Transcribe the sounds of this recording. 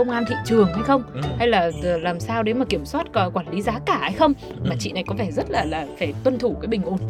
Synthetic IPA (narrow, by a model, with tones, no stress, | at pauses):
ə˧wŋ͡mʔaː˧nt̪ʰḭ˧˨t͡ɕɨ˨˩əŋha˧jxə˧wŋ͡mha˧jlaː˨˩˨laː˨˩msaː˧wɗe˨˦maː˨˩ki˧˩əmswaː˦˥t̚kɔ˨˧kwaː˧˩nli˨˦zaː˨˦kaː˧˩ha˧jxə˧wŋ͡m | maː˨˩t͡ɕḭ˧˨na˨˩jkɔ˨˦fɛ˧˩zə˦˥t̚laː˨˩laː˨˩faː˧˩t̪wə˧nt̪ʰu˧˩kaː˨˦jɓï˨˩ŋ̟ʔu˧˩n